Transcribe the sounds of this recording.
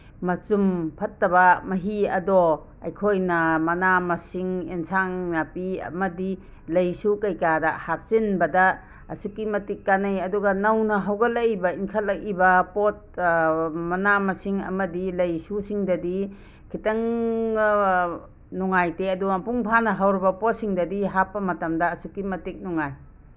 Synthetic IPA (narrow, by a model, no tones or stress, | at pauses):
mɐt͡ʃumpʰɐtːɐbɐmɐɦiɐdɔ | ɐ̰jkʰojnɐmɐnamɐsiŋensʰaŋnɐpiɐ̰mɐdi | lɐjsukɐjkadɐhap̚sinbɐda̰ː | sukimɐtik̚kːanɐjɐduɡɐnɐwnɐɦawɡɐlɐjbɐiŋkʰɐlːɐkibɐpot̚ | mɐnamɐsiŋɐ̰mɐdilɐjsusiŋdɐdi | kʰitɐŋ | nɔŋajteɐduɐpuŋpʰanɐɦawɾibɐpot̚siŋdɐdiɦapːɐmɐtɐmdɐːsukimɐtik̚nɔŋaj